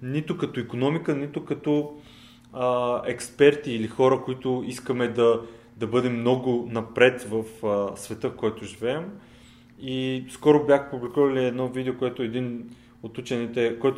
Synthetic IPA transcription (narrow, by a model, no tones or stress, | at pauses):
nit̪ʊkɐt̪oikonɔmikənit̪ʊkɐt̪ɔ | əɛkspɛɾt̪iːlixɔɾəkoit̪ʊiskəmɛd̪ɐ | d̪ɐbɤd̪ɛmnɔɡʊnɐpɾɛt̪vɐfsvɛt̪ɤfkɔjɛt̪ʊʒivɛɛm | iskɔɾʊbʲjaxə̥publikuvɐliɛd̪nɔvid̪ɛokojɛt̪ʊɛd̪in | ot̪ut͡ʃɛnit̪ɛkoɛt̪